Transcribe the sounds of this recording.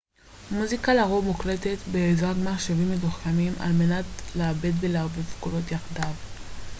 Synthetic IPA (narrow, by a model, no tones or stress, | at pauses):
muzikalaʁovmukle̞tetbeːzʁaɡmaʃevimːezuχkamima̰lme̞natleabe̞dvelavivkolo̞tjaχdav